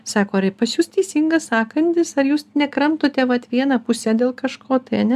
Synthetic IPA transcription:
sɑːkoːɾɐɪpɐsjuːst̪ʲɛɪsʲiŋɡɐsɑːkɐnʲt̪ʲɪsɐɾjuːsnʲɛkɾɐmt̪oːt̪ʲɛʋɐt̪ʋʲiɛnɐpʊsʲɛd̪ʲeːlˠkɐʃkʰoːt̪ɐɪɐnʲɛ

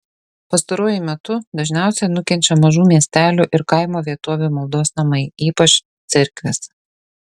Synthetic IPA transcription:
pɐst̪ɐɾuɔjʊmʲɛt̪ʊd̪ɐʒʲnʲæˑʊsʲɛnʊkʲɛnʲt͡ʃʲɛmɐʒuːmʲiɛsʲt̪ʲæːlʲuʔɪɾkɐɪmoːʋʲiɛt̪oːʋʲumɐlˠd̪oːsnɐmɐɪiːpɐt͡ʃ | t̪sʲɪɾʲklʲɛs

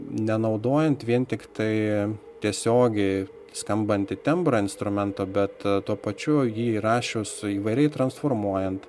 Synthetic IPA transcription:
nʲɛnɐʊd̪oːjɛnt̪ʋʲiɛnt̪ʲɪkt̪ɐɪ | t̪ʲiɛsʲoːɡʲɛɪ | skɐmbɐnt̪ɪt̪ʲɛmbɾɐɪnst̪ɾʊmʲɛnt̪oːbʲɛt̪t̪uɔpɐt͡ʃʲʊjiːɾɑːʃʲʊsiːʋɐɪɾʲɛɪt̪ɾɐnsfoːrmuɔjɛnt̪

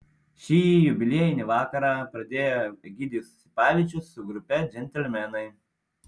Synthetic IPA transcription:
ʃʲiːjʊbʲɪlʲeɛjɪnʲiʋɑːkɐɾɑːpɾɐd̪ʲeːjoɡʲiːd̪ʲisʊ̥sʲɪ̥pɑːʋʲit͡ʃʲʊsːʊɡɾʊpʲɛd͡ʒʲɛnʲt̪ʲɛlʲmʲɛnɐɪ

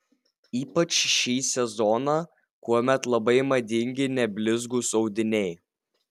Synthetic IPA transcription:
iːpɐt͡ʃʃʲiːsʲɛzɔnɑː | kuɔmʲɛt̪lˠɐbɐɪmɐd̪ʲɪŋʲɡʲɪnʲɛbʲlʲɪzɡuːsɒʊd̪ʲɪnʲɛɪ

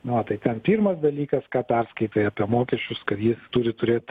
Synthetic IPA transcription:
nʊʋɐt̪ɐɪt̪ʲɛnpʲiːrmɐsd̪ɐlʲiːkɐskɑːpʲɛrskɐɪt̪oːjɐːpʲiɛmoːkʲɛʃʲt͡ʃʲʊskɐt̪jɪst̪uːɾʲɪt̪ʊɾʲeːt̪

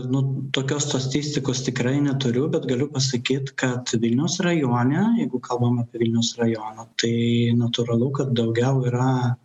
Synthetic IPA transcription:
nʊt̪oːkʲoːsst̪ɐt̪ʲɪsʲt̪ʲɪkoːst̪ʲɪkɾɐɪnʲɛt̪ʊɾʲʊbʲɛt̪ɡɐlʲʊpɐsɐkʲiːt̪kɐt̪ʋʲɪlʲnʲɛʊsrɐjoːnʲɛjɛɪɡʊkɐlˠbɐmɑːpʲiɛʋʲɪlʲnʲɛʊsrɐjoːnɐt̪ɐɪnɐt̪ʊɾɐlˠʊkɐt̪̚d̪ɐʊɡʲɛʊiːɾɐ

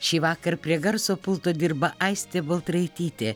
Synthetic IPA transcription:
ʃʲiːʋɑːkɐɾpʲɾʲiɛɡɐɾsoːpʊlˠt̪oːd̪ʲɪɾbɐʔɐɪsʲt̪ʲeːbɐlˠt̪ɾɐɪt̪ʲiːt̪ʲeː

